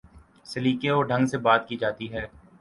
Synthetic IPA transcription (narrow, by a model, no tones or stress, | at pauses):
sɪliːkeoːɖʱə̃ŋɡsebaːt̪kid͡ʒaːt̪iɦɛː